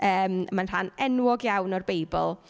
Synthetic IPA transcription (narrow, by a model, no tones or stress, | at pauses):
əːməmanr̥anɛnwɔɡjawnɔrbejbɔ̰lˠ